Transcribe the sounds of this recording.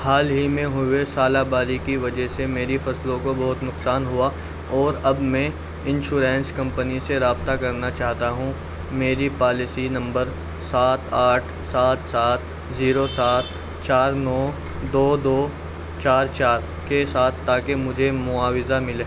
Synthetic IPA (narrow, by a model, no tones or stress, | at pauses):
haːlɦimẽɦʊesaːlabaːɾikiʋɐd͡ʒəɦsemeːɾifɐslõkobɐɦʊt̪nʊqsaːnɦʊa | ɔːɾɐbmɛ̃ | ɪ̃nʃuːɾẽːnskɐ̃mpəniseɾaːbt̪akɐɾnat͡ʃaːɦt̪aɦũ | meːɾipaːlɪsinɐ̃mbəɾ | saːt̪ʰaːʈʰ | saːt̪saːt̪ | ziːɾosaːt̪ | t͡ʃaːɾnɔː | d̪oːd̪oː | t͡ʃaːɾt͡ʃaːɾ | kesaːt̪ʰt̪aːkemʊd͡ʒʱemʊaːwɪzamɪleː